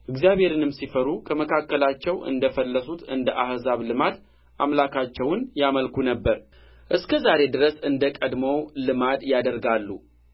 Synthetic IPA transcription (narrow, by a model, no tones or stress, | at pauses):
ʔɨɡzijaβhe̞ɾɨnɨmsifəɾukʰəməkʰakːəlat͡ʃːɛwʔɨ̰nd̪əfəlːəsut̪ɨnd̪əʔahzaβlɨmad̪ | ʔamlakʰat͡ʃːɛwnjaməlkʰunəbːəɾ | ʔɨskʰəzaɾe̞d̪ɨɾəsɨnd̪əkʼəd̪məwlɨmad̪jad̪əɾɡalːu